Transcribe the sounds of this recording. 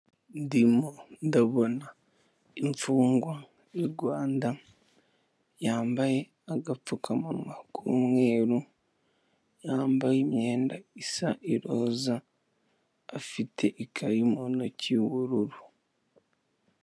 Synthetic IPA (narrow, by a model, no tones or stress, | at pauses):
ndimondaβo̞na | iɱfuːŋɡwa | eɡwaːnda | jaːmbaje̞ | aɡap͡fukʰamamwakʰṵːmŋe̞ːɾu | jaːmbajemje̞ːndaisaʔiɾoːza | fitʰe̞ʔikʰaɾimonociwuɾuɾu